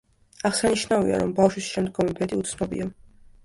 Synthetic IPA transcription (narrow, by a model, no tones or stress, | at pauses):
aʁsaniʃnavḭa̰ɾɔmbafʃwisʃɛmd̪ɡɔmɛbɛd̪iut̪sʰnɔbḭa